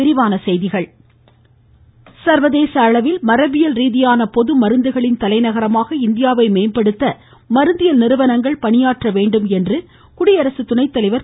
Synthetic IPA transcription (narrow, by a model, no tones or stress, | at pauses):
ɪɾɪʋaːnɐsɛjðɪɣɐɭ | sɐɾʋɐðeːsɐːɭɐʋɪlmɐɾɐbɪjɐlɾiːðɪjaːnɐpɔðɯmɐɾɯnd̪ɯɣɐɭɪnt̪ɐlɐɪnɐɣɐɾɐmaːɣɐɪnd̪ɪjaːʋɐɪmeːnpɐɽɯt̪ːɐ | mɐɾɯnd̪ɪjɐlnɪɾɯʋɐnɐŋɡɐɭpɐɳɪjaːʈrɐʋeːɳɖɯmɛndrɯ | kʊɽɪjɐɾɐsɯt̪ːʊnɐɪt̪ːɐlɐɪʋɐɾ